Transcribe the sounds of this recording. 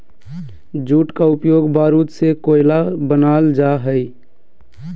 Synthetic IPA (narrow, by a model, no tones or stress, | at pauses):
d͡ʒuːʈkaʊpjoːɡbaːɾuːt̪sekoːɪlabənaːld͡ʒaɦəi